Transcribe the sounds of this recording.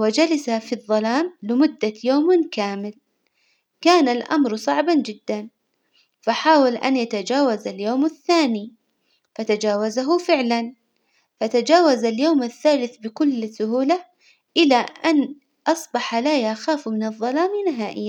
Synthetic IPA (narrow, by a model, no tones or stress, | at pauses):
wad͡ʒalasafiðˤːɑlaːmlɪmʊd̪ːajoːmkaːmɪl | kaːnalʔa̰mɾsˤɑʕband͡ʒɪd̪ːan | faħaːwalʔa̰njat̪ad͡ʒaːwazaljoːmaθːaːni | fat̪ad͡ʒaːwazaɦʊfɪʕlan | fat̪ad͡ʒaːwazaljoːmaθːaːlɪθbɪkʊlːsʊhuːla | ʔɪlaʔan | ʔɑsˤbɑħalaːjaxaːfmɪnɨðˤːɑlaːmɪnɪɦaːʔɪjːa